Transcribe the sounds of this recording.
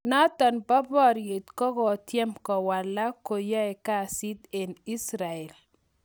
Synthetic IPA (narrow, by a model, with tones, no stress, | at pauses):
na˦t̪a˨nba˦bɔ˦ɾje˨t̪kɔ˦ɡɔ˨t̪jɛ˦mkɔ˨wa˨lːa˦ko˨ja˦ɛ˨ka˦si˦d̪e˨ni˦sɾa˨ɛ˨l